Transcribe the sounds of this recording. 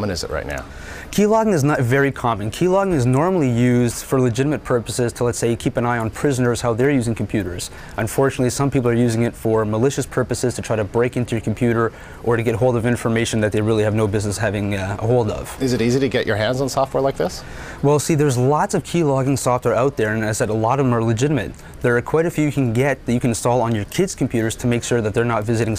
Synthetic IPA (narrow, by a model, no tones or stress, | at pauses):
mə̃nɨzɨ̰ʔɹʔa̰ɪtⁿna̰ʊ | kʰilɑɡɪ̃ŋɨznətvɛɹikʰɑmɨ̃nkʰilɑɡɪ̃ŋɨznɔɹml̩ˠijʉzd̥fə˞ləd͡ʒɪɾəmɨt̚pʰɜ˞pəsɪz̥tʰəlˠɛtseɪɨkʰipɨ̃naɪə̃npʰɹ̥ɪzənə˞z̥haʊðə˞jʉzɪ̃ŋkʰm̩pʰj̥ʉɾə˞z̥ | ʔɨ̃ɱfɔɹt͡ʃɨnətˡlisʌ̃mpipl̩ˠə˞jʉzɪ̃ŋɨtfə˞məlɪʃɨspʰɜ˞pɨsɨz̥tʰɨtʰɹ̥aɪɾɨbɹeɪkɪ̃ntʉjə˞kʰm̩pʰj̥ʉɾə˞ | ʔə˞ɾɨɡɛt̚ɦoʊlˠdʌvɪ̃ɱfə˞meɪʃɨ̃n̩ðɨt̪̚ðeɪɹɪlˠiɨvnoʊbɪznɨshævɪ̃ŋə̰hoʊlˠdʌ̰v̥ɨzɨɾiziɾɨɡɛt͡ʃə̰˞ɦæ̃ndzn̩sɔft̚wɛɹlaɪk̚ðɪs | wɛlˠsiðə˞zlɑtsʌv̥kʰilɔɡɪ̃ŋsɔft̚wɛɹaʊt̪̚ðə˞ɨ̃naɪsɛɾəlɔɾʌṽmə˞ləd͡ʒɪɾəmɨ̰t̪̚ | ðə˞ɨkʰw̥ɛɾɨdfjɨkʰɨ̃nɡɛt̪̚ðɨt͡ʃɨkɨ̃nɨ̃nstɔlˠə̃njə˞kʰɪdz̥kʰm̩pʰj̥ʉɾə˞z̥tʰɨmeɪkʃʊɹðɨt̪̚ðə˞nətvɪzɨɾɪ̃ŋ